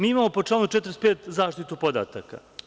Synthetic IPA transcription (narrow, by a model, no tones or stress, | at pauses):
miːimaːmo̞pot͡ʂlaːnut͡ʃet̪ɾespeːt̪zaːʃt̪it̪upo̞d̪a̰ːt̪a̰ka̰